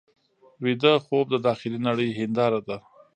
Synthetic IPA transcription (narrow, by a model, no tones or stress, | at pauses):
wid̪əxob̚d̪əd̪ɑxɪlinaɽəjɦɪnd̪ɑɾad̪a